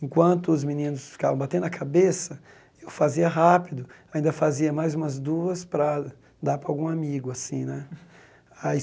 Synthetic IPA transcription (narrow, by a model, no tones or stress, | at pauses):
ẽkwɐ̃nt̪ʊːzminĩnʊsfi̥kavɐ̃w̃bat̪ẽd̪ʊɐkʰabesɐ | ewfaziɐɦapid̪ʊaĩnd̪ɐfaziɐmajzũmɐzd̪uɐspɾɐ | d̪aɾpɾɐawɡũamiɡʊasĩnɛ | ai